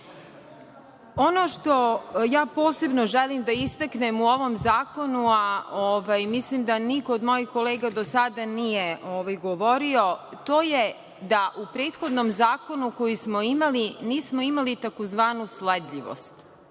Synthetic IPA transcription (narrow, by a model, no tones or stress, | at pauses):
o̞noʃt̪o̞jaːpoːse̞bno̞ʒelimd̪aist̪aknemuoʋo̞mzaːko̞nuaoʋajmislimd̪anikoːd̪mo̞jixko̞leːɡad̪osad̪anijeʔoʋajɡoʋoɾio̞t̪o̞ːje | d̪aʔupɾeːt̪xo̞d̪nomzaːko̞nuko̞jismo̞imaliniːsmo̞imalit̪akozʋaːnusled̪ʎʲiʋo̰st̪